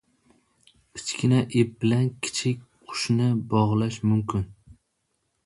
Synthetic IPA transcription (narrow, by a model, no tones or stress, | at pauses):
kʲʰɪ̥t͡ʃkʲɪnaʔep̚bɪlankʲʰɪ̥t͡ʃʰɪkʲqʰʊ̥ʃnɪbɒʁlˠaʃmʊmkʲɪn